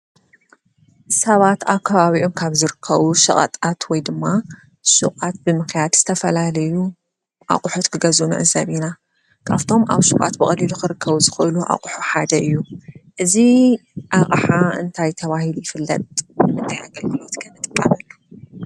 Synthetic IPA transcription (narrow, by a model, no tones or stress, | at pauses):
sɐβat̪akʰːaβaβiʔo̞mkʰaβzɨɾɨkʰːɐβuʃɨχʼɐ̰t̪ʼat̪wɔjd̪ɨmːa | ʃɨkʼat̪̚bɨmɨxjad̪z̥ɨt̪ʰɐfɐlalɐju | ʔa̰qʼuħot̪kʰɨɡɐzunɨ̰ʕɨzɐβina | kʰaft̪ʰo̞mʔa̰βʃɨkʼa̰t̪bɨχʼɐliluxɨɾɨkʰːɐβuzɨxɨluʔa̰qʼuħuħad̪ɐʔɨjːuʔɨziʔaχʼħaɨnt̪ʰajt̪ʰɐβahilujɪfɨlːɐ̰t̪ʼɨmɨnt̪ʰaja̰ɡɐlɡɨlot̪kʰɐnɨt̪ʼɨkʼːamɐlːu